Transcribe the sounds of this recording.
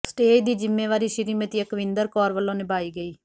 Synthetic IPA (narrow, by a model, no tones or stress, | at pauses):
sʈeːd̪iːd͡ʒɪmːeːʋaːɾiːʃɪɾiːmət̪jəkəʋɪ̃nd̪əɾkɔːɾʋəlːõːneːbaːiːɡəiː